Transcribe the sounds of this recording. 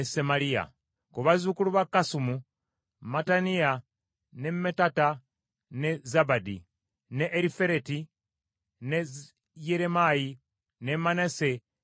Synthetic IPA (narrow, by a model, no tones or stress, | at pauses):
esemalija̰ | kuβazukuluβakːasumu | matanija | nemetata | nezabadḭ | neʔːɾife̞ɾeti | ne | jeɾemaji | nemanese